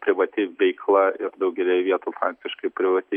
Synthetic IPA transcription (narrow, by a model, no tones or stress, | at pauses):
pʲɾʲɪʋɐt̪ʲɪʋʲɛɪklˠɑɪɾd̪ɐʊɡʲɛlʲɛʋʲiɛt̪uːfɾɑːk̚t̪ʲɪʃkɐɪpʲɾʲɪʋɐt̪ʲɪ